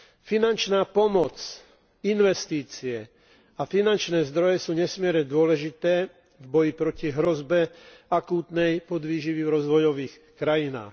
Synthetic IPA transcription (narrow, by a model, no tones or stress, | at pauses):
finant͡ʃnaːpɔmɔt͡s | inʋɛst̪iːt͡siɛ | afinant͡ʃnɛːzd̪ɾɔjɛsuːɲɛsmɪɛɾɲɛd̪ʊɔlɛʒit̪ɛː | vbɔjipɾɔciɦɾɔzbɛakuːt̪nɛjpɔd̪ʋiːʒiʋiɾɔzʋɔjɔʋiːx | kɾajina̰ːx